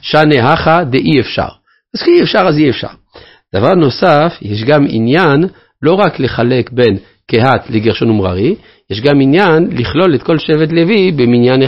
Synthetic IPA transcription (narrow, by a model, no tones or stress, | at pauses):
ʃaneɦaχad̪eʔiefʃa̰ʁ | azʃeiefʃaʁaziefʃa̰ʁ | d̪̥avaʁno̞safjeʃ̬ɡamḭnjan | lo̞ʁakle̞χale̞kbe̞n | keɦat̪leɡeʁʃonumʁa̰ʁi | jeʃɡaminjanliχlo̞let̪ko̞lʃevet̪le̞vibeminjane